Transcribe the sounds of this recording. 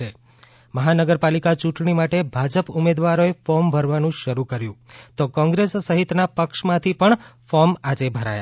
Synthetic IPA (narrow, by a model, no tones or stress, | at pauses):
e | məɦanəɡəɾpalikat͡ʃũʈɳimaʈebʱad͡ʒəpumed̪ʋaɾoefɔmbʱəɾʋanũʃəɾukəɾjũt̪okɔ̃ŋɡɾesːəɦit̪napəkʃmãt̪ʰipəɳfɔmad͡ʒebʱəɾa̰ja̰